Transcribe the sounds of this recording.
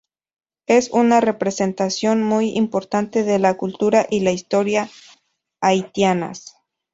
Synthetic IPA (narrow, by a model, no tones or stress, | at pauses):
e̞sunare̞pɾese̞nt̪asjo̞nmujḭmpo̞ɾt̪ant̪e̞ðe̞lakult̪uɾaʔilaist̪o̞ɾjaː | jt̪jana̰s